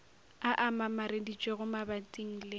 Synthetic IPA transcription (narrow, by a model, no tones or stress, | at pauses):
aʔamamaɾedit͡ʃʼeɣʊmabatʼiŋ̩lɪ